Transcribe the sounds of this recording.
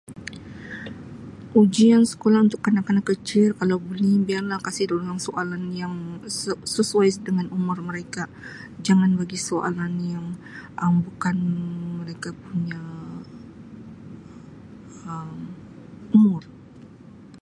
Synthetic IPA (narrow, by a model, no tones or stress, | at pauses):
ʔud͡ʒiansə̥kolahunt̪ʊkːənakankət͡ʃɪlkalawbəlibiarlahkasɪhdolaŋsoʔalanjaŋsəsəsuajsdəŋanumʊrməɾeka | d͡ʒaŋanbaɡisoʔa̰lanjaŋʔəmbukanməɾekapuɲa | əm | umʊr